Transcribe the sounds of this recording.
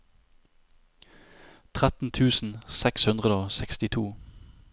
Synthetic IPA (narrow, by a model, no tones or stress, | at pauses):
t̪ʰʁæt̪n̩t̪ʰʉːsn̩sɛkshʉnʁəd̪əoːsɛkst̪ɪt̪ʰuː